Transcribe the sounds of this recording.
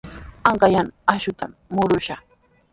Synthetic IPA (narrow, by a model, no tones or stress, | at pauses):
aŋɢɑjanaʃʊt̪amːʊɾʊʃɑχ